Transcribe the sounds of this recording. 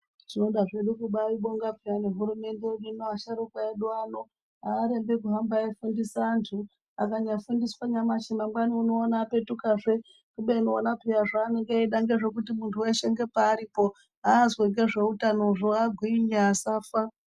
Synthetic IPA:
ʐ̥ino̞ɗaʐe̞ɗukuɓaiɓoŋɡapijane̞ɦuɾume̞ndeuɗinoaʃaɾokwaeɗuano | aːɾembek̬uɦambaifundisantʰu | akaɲafundiswaɲamaʃimamɡwaniuno̞ːnape̞tukaʐe | kuɓeino̞ːnapijaʐaːne̞ŋɡeeɗaŋɡe̞ʐe̞kutimuntʰueʃeŋɡe̞paːɾipo̞ | aːzweŋɡe̞ʐe̞utano̞ʐoaɡʱwiiɲaːsaːfa

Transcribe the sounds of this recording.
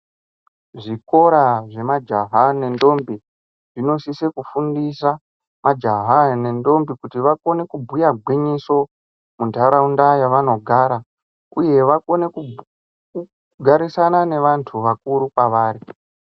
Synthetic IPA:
ʐiko̞ɾaʐe̞mad͡ʒaɦane̞ndo̞mbi | ʐ̥ino̞sise̞kufundisa | mad͡ʒaɦane̞ndo̞mbikutiʋako̞ne̞kubʱujaɡʱwiɲiso̞ | mundʱaɾaundajaʋano̞ɡʱaɾa | uje̞ʋako̞neku | ku | ɡʱaɾisanane̞ʋantʰuʋakuɾukwaʋaːɾi

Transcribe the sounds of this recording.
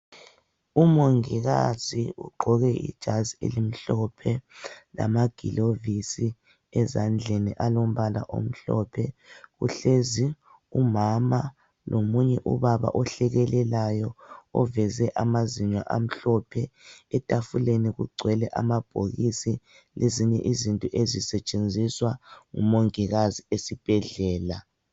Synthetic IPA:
umoŋiɣaziṵɡ͡ǃʱɔɣɛḭd̥ʒ̥ʱaziḛlim̩ɬɔpʰɛla̰maɡ̥ʱḭlovisi | ɛzand͡ɮʱeniʔalom̩βala̰ʔo̰m̩ɬɔ̰pʰɛɣṵɬezi | umama | lomuɲɛʔuβaβa̰ʔɔɬɛɣɛlɛlajɔɔvɛzɛʔamaziɲwaʔam̩ɬɔpʰɛɛtʼafuleniɣuɡ͡ǀʱwɛlɛʔamab̥ʱoɣisi | lʔeziɲɛʔizintʼɔʔezisɛt͡ʃʼend͡zʱiswaŋṵmoŋiɣaziesib̥ʱɛɮɛːla

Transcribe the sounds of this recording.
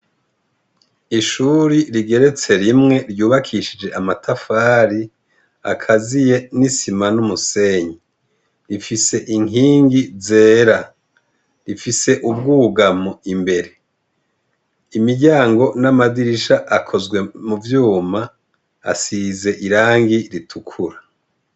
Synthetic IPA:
iʃuɾiɾiɡe̞ɾe̞t͡se̞ɾimŋe̞ɾjuːβakʰiʃid͡ʒe̞ʔamatʰafaːɾi | a̰kʰazije̞nisimanumuse̞ɲi | ɾifise̞ʔiŋiːŋɡize̞ːɾa | ɾifise̞ʔub̚ɡuːɡamoimbe̞ɾe̞ | imiɟaːŋɡo̞namadiɾiʃaʔakʰo̞zɡwe̞muvjuːma̰ː | size̞ʔiɾaːŋɡiɾitʰukʰuɾa

